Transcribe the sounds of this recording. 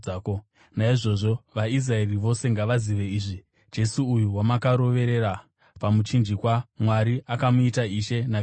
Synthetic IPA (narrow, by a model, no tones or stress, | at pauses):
ko | naiʐo̞ʐo̞ʋais̬rae̞riʋo̞se̞ŋɡaʋaziʋe̞iːʐi | d͡ʒe̞suːjuwamakaɾo̞ʋe̞ɾe̞ɾa | pamut͡ʃind͡ʒikwamwaɾiʔakamuitaiʃe̞na